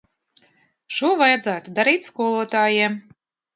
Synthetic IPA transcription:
ʃuɔvajad̪zæːt̪ud̪aɾiːt̪ʲskuɔlˠuɔt̪aːjɛ

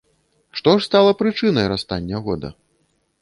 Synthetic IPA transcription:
ʂt̪ɔʂst̪alˠɐpɾɨt͡ʂɨnɐjɾast̪anʲːɐɣɔd̪ɐ̰

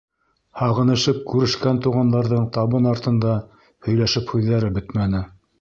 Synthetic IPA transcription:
hɑʁɤ̆nɤ̆ʃɤp̚kʉɾɘ̆ʃkænt̪uʁɑnd̪ɑɾðɤɴt̪ɑβɤnɑɾt̪ɤ̆nd̪ɑ | hɵ̆jlæʃɘphʉðːæɾɘbɵt̪mænɘ

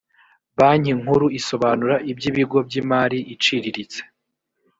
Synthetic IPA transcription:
βaɲiŋ̥huɾuiso̞βaːnuɾaʔibɟiːβiɡo̞bɟiːmaːɾiʔit͡ʃiɾiɾit͡se̥

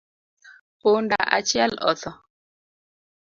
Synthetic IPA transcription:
onda̰ʔa̰t͡ʃjɛlɔ̰θɔ

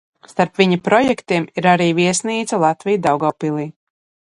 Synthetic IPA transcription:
st̪aɾpvʲiɲapɾɔjɛkt̪iɛmiɾaɾiːviɛsniːt̪salˠat̪vijd̪awɡawpilˠiː

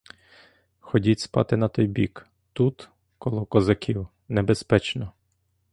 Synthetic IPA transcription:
xɔdʲitʲspɑ̰t̪ɪnɐt̪ɔjbʲik | t̪ut̪ | kɔlˠɔkɔzɐkʲʰiw | nebespɛt͡ʃnɔ

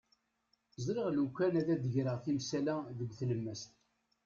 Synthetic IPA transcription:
zɾiʁlukʷːænæðæd̪əʝɾəʁθimsælæðəɡʷθləmːəst̪

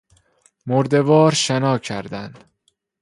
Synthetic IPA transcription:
moɾd̪evɒːɾʃenɒːcʰæɾd̪ænd̪̥

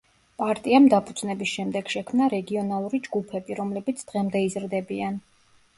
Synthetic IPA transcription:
pʼaɾt̪ʼiamd̪apʰud̪z̥nɛbisʃɛmd̪ɛɡ̥ʃɛkʰmnaɾɛɡiɔnalˠuɾid͡ʒɡupʰɛbiɾɔmlɛbit̪sʰd̪̥ʁɛmd̪ɛizɾd̪ɛbian

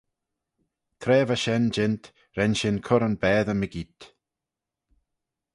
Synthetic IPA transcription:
t̪ʰɾɛːvaʃɛnd͡ʒɪnt̪ | ɾɛnʃɪnkʰʊɾənbɛːðəməɡit̪

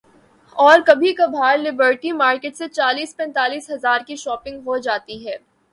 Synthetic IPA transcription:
ɔːɾkɐbʱikɐbʱaːɾlɪbəɾʈimaːɾkeʈset͡ʃaːliːspɛ̃ːnt̪aːliːsɦɐzaːɾkiʃɔːpɪ̃ŋɡɦod͡ʒaːt̪iɦɛː

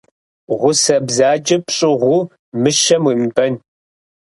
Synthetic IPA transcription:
ʁʷʊsɐbzaːd͡ʒɐpɕʼɪʁʷʊ | mɨʃɐmwiːmbɐn

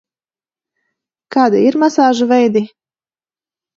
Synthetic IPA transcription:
kaːd̪iiɾmasaːʒuvɛjd̪i

